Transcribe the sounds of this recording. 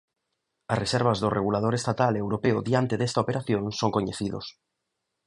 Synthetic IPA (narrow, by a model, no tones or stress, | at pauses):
ɐsresɛɾβ̞azðʊreɣulað̞oɾest̪at̪alewɾopeʊðiant̪eðest̪aopeɾʔaθjõnsoŋkoɲeθiðʊ̰s